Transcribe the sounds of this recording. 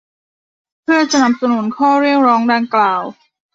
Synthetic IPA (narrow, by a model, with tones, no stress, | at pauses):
pʰɯ˥˩ɐt͡ɕa˧na˨˩m̚sa˧nu˨˩˦nkʰɔː˥˩ɾi˥˩ək̚ɾɔː˦˥ŋdaː˧ŋklaː˨˩w